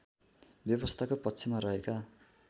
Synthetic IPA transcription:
bjʌβʌst̪ʰakopʌtːsʰimaɾʌɦeka

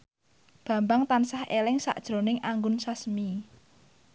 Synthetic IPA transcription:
b̥ä̤mbaŋt̪ansahʔelɪŋsa̰ʔd̥ʒ̥ɾo̤nɪŋʔaŋɡʊnsasmi

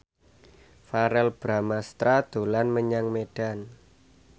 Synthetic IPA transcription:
faɾɛlb̥ɾamast̪ɾad̪̥o̤lanməɲaŋmeɖ̥a̤n

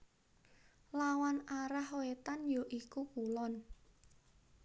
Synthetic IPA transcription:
lawanaɾahowet̪anjoʔikukulɔn

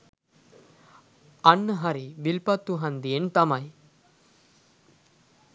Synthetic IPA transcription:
ɐnːəɦɐɾiʋilpɐt̪ːuɦɐnd̪ijent̪ɐmaj

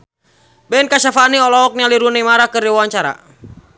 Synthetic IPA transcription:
bɛnkasafaniɔlɔɔk̚ɲaliɾunimaɾakɨriwawaɲt͡ʃaɾa̰

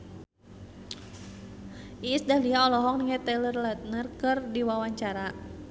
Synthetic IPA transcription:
ʔisdahliaɔlɔɦɔŋniŋɛt̪ɛlərlat̪̚nərkɨrdiwawaɲt͡ʃaɾa

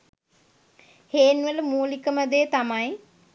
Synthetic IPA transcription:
heːnʋələmuːlikəməd̪eːt̪amaj

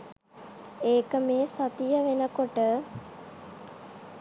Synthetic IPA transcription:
eːkəmeːsɐt̪ijəʋenəkoʈə

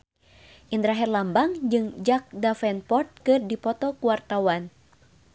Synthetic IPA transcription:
ʔind̪ɾaɦɛrlambaŋd͡ʒɨŋd͡ʒak̚dafɛnpɔrt̪̚kɨrdipɔt̪ɔkuwart̪awan

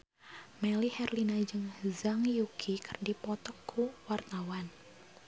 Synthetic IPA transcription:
mɛlihɛrlinad͡ʒɨŋzaŋjukʰikərdipɔt̪ɔkʰːuwart̪awan

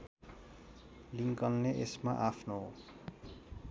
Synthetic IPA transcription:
liŋkʌnːeʔḛsma̰ʔapʰno

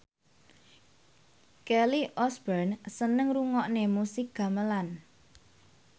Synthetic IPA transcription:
kɛliʔɔsb̥ɛrnsənəŋruŋɔʔnemusɪk̚ɡ̥a̤məlan

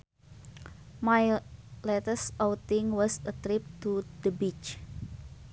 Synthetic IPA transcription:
majlɛt̪əsɔwt̪ɪŋwɔsət̪ɾɪp̚t̪ud̪əbit͡ʃ

